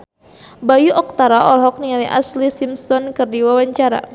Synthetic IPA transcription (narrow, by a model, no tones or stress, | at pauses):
bajuʔɔk̚t̪aɾaɔlɦɔk̚niŋaliʔa̰slisimsɔnkɨrdiwawaɲt͡ʃaɾa̰